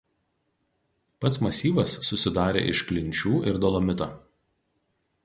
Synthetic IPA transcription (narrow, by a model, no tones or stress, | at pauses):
pɐt̪smɐsʲiːʋɐsːʊsʲɪd̪ɑːɾʲḛːʔɪʃklʲɪnʲˑt͡ʃʲuːʔɪɾd̪ɔlˠɔmʲɪt̪ɐː